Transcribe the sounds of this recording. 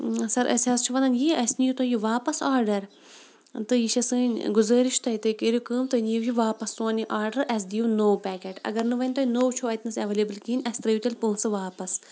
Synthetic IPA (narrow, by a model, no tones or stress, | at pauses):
sɐɾʔɐ̰sʲɐːst͡ʃʰuʋɐnɐnjiːɐsnijut̪ojuʋaːpɐsaːɾɖɐɾ | t̪ɨjiʃɐsɨːnʲɡʊzəːɾiʃt̪ɐit̪ɨkeːɾʲukəːmt̪ɐnijuwjiʋaːpɐst̪õːniʔaːɾɖɐɾʔɐs̬d̪ijunoːwpɛːkeːʈɐ̰ɡɐɾnɨʋɐnʲt̪ojnoːwt͡ʃʰoːɐt̪nɨsɐʋeleːbɨlkiːnʲɐsʲt̪ɾɐjut̪ʲɐlʲpuːnsɨʋaːpɐs